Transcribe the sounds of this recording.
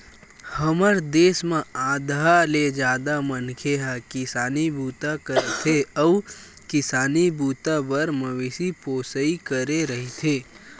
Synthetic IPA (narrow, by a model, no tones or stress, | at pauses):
həməɾd̪eːsmẽaːd̪aled͡ʒaːd̪amɐnkʰeɦakɪsaːnibʱuːt̪akəɾet̪ʰeɔʋ | kɪsaːnibuːt̪abəɾmɐʋeːʃipoːsəikəɾeɾɐɦit̪ʰeː